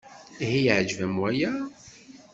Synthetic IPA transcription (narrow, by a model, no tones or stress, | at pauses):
ɦijʕd͡ʒvæmwæjæ